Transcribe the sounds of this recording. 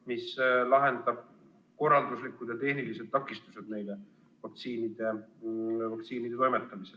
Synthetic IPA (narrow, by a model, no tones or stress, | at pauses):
mislɑɦe̞nd̪ɑb̥̚ | ko̞rːɑld̪uslikːud̪̥jɑt̪e̞hnilise̞d̪̚t̪ɑkːˑist̪use̞d̪̥ne̞jle̞ | vɑk̚t̪siːnid̪̥e̞ | vɑk̚t̪siːnid̪̥eojmet̪ˑːɑmisel